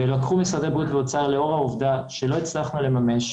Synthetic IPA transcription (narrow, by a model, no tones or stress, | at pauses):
velakχumisʁad̪ebʁut̪veot͡saʁle̞o̞ʁauvd̪aʃe̞lo̞it͡slaχnule̞mame̞ʃ